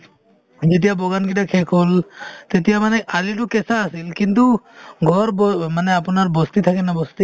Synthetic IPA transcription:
d͡ʒet̪̬ijabɔɡankiʈakʰekʰolt̪et̪̬ijamanɛʔaliʈukɛsaːsilkint̪̬uɡʱɔɾbɔmanɛapunaɾbɔst̪it̪ʰakɛnabɔst̪i

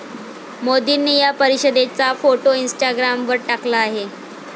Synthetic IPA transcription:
mod̪inijapəɾiɕəd̪et͡safoʈoinsʈaɡɾamʋəɾʈaklaːɦe

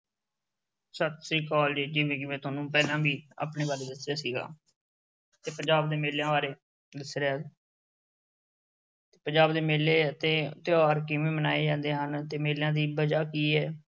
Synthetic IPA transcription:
sət̪siːkɔːld͡ʒeːd͡ʒɪʋẽːkɪʋẽːt̪ʊaːnũːpɛːlãːbʱiːa̰ːpɳeːβaːɾeːd̪ɪsjaːsiːɡa̰ː | t̪eːpəɲd͡ʒaːb̚d̪eːmeːljãːʋaːɾeː | d̪ɪsɾeaː | t̪eːpəɲd͡ʒaːbd̪eːmeːleːt̪eːt̪ɪaːɾkɪʋẽːmənaːeːd͡ʒãːnd̪eːɦənt̪eːmeːljãːd̪iːbəd͡ʒaːkiːɛː

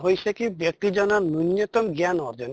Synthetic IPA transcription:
ɦojsʰekibjek̚t̪id͡ʑɔnanunjɔt̪ɔmɡjanɔɾd͡ʒɔn

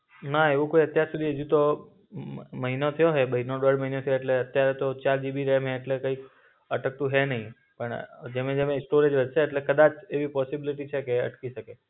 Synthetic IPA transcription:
naeʋũkoiət̪jaɾsud̪ʱiɦəd͡ʒũt̪o | məɦinot̪ʰəjoɦebəɦinoɖəɖməɦinot̪ʰəjoeʈleət̪jaɾet̪ot͡ʃald͡ʒibiɾəɦemɦẽːʈlekəik | əʈək̚t̪ũɦenəɦĩ | pəɳd͡ʒemẽd͡ʒemesʈoɾed͡ʒʋəd͡ʒʃʰeːʈlekəd̪at͡ʃʰeʋipɔsibiliʈit͡ʃʰekeə̰ʈkiʃəke

